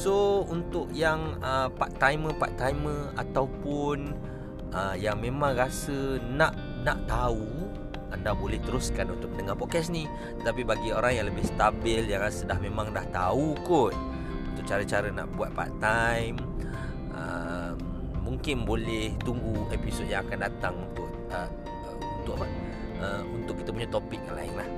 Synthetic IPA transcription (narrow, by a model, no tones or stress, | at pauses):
sount̪ʊʔjaŋəpaʔt̪ajmə̃pa̰ʔt̪ajmə̃a̰t̪awpʊn | əjaŋmẽmãŋrasənaʔ | na̰ʔt̪au | andabolɛht̪əɾuskanunt̪ʊk̚mənəŋapɔkɛsni | t̪ət̪apibaɡioɾaŋjaŋləbɪhst̪abɪljaŋasədahmẽmaŋdaht̪aukʊt̪̚ | unt̪ʊʔ̚t͡ʃaɾət͡ʃaɾəna̰ʔbuat̪̚paa̰ʔt̪ajm | ʔə | mː | uŋkɪnbolɛht̪uŋɡuepisɔd̚jaŋakandat̪aŋunt̪ʊʔ | ə | ə | unt̪ʊʔapə | əunt̪ʊkːit̪əpuɲat̪opɪk̚jaŋla̰ɪnlah